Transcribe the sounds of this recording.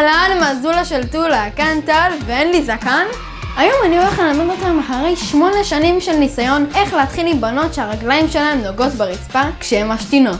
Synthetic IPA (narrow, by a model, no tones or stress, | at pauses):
alanmazulaʃeltulakant̪alveenlizakan | ajo̞manio̞leχlelamedotamaχaʁe̞jʃmo̞neʃanimʃelnisajo̞ne̞χleat̪χilibano̞tʃeaʁaɡlaimʃelaemnoɡo̞tbeʁit͡spakʃehemaʃtino̞t